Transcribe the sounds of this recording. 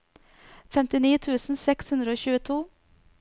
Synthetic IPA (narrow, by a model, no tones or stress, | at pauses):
fɛmt̪ɪniːt̪ʰʉːsn̩sɛkshʉnd̪ɾəoːçʉːət̪ʰuː